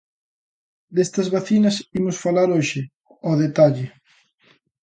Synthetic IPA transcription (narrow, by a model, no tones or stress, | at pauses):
d̪est̪ɐzβaθinɐsimʊsfalaɾoʃɪ | ɔðet̪aʎɪ